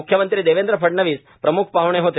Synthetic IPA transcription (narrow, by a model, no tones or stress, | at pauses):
ukʰjəmənt̪ɾid̪eʋend̪ɾəpʰəʈɳəʋiːs | pɾəmukʰpaɦʋɳ̃eɦot̪e